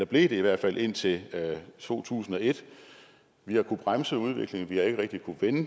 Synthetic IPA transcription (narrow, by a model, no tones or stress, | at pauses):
d̥æb̥le̝ːd̥e̝iʋæɐ̰d̥fælʔe̝n̰t͡sʰe̝t͡sʰo̝̰ːt͡sʰṵːsn̩ɒ̽e̝d̥ | ʋihɑ̈kʰub̥ʁamsəuð̞ˠʋe̝ɡ̥le̝ŋ̩ʋihɑ̈e̝ɡ̥əʁɛɡ̥̚d̥ikʰuʋenə